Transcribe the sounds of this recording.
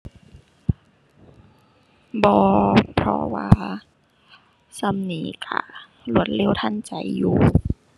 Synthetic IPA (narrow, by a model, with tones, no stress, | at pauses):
bɔː˧pʰɾɔ̰˧waː˧ | sa˧˩˨mniː˨˦ka̰˧˩ | lu˧˩ə˦t̪̚le˧˥˨wt̪ʰa˧˥˨nt͡ɕa˨˩˦jːuː˧˦